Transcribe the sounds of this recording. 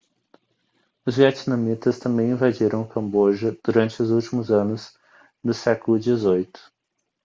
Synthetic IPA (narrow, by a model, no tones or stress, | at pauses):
ʊzviat͡ʃinɐ̃mit̪ɐst̪ɐ̃mbẽj̃ĩvad͡ʒiɾɐ̃w̃kɐ̃mboʒɐd̪̥uɾɐ̃nt͡ʃɪʊzuwt͡ʃimʊzɐ̃nʊz | d̪ʊsɛkʊlʊd͡ʒizojt̪ʊ̥